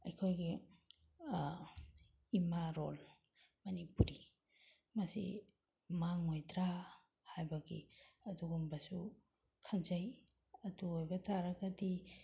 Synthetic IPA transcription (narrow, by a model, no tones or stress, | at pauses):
ɐjkʰojɡi | imaɾol | mɐnipuɾi | mɐsḭ | maŋojtɾa | hajbɐɡḭɐduɡumbɐsu | kʰɐnd͡ʒɐj | ɐduojbɐtʰaɾɐɡɐdi